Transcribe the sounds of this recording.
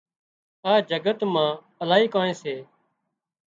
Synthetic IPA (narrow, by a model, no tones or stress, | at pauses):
aːd͡ʒəɡət̪mãː | əlaːiːkaːnẽːseː